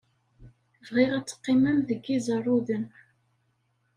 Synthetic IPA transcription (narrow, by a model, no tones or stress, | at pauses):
vʁiʁæt͡sːə̥qːimæmðəɡːizˤɑrˤːʊðən